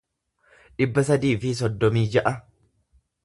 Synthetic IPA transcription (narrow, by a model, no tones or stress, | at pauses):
ᶑɪbːɐsɐd̪iːfɪs̬ɔd̪ːɔmiːd͡ʒɐʔɐ